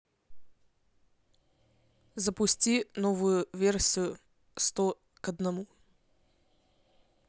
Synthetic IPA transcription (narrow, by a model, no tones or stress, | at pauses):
zəpʊsʲtʲinovʊjʊvʲersʲijʊ | st̪ɔ | kɐd̪nɐmu